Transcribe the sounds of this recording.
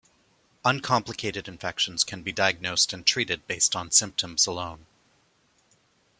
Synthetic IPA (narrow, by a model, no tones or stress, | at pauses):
ʌ̃nkʰɑ̃mpləkʰeɪɾɨɾɨ̃ɱfɛkʃɨ̃n̩z̥kʰɨ̃nbidaɪɨɡ̚noʊstɨ̃ntʰɹ̥iɾɨd̚beɪstn̩sɪ̃mp̚tʰə̃mz̥əlõʊ̃n